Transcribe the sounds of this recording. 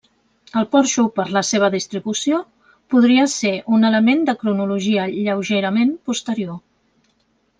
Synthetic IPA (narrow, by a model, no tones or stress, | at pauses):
əlˠpɔɾʃupəɾləseβ̞əðist̪ɾiβusio | puð̞ɾiəseʔunələmend̪əkɾunuluʒiəʎəwʒeɾəmempust̪əɾio